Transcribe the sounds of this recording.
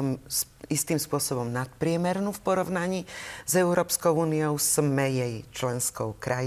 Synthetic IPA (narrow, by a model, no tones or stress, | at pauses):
ɔm | ist̪iːmspʊɔsɔbɔmnat̪pɾɪɛmɛɾnufpɔɾɔʋnaɲiːzɛʊɾɔːpskɔʊuːniɔʊsmɛjɛjt͡ʃlɛnskɔʊkɾʔaj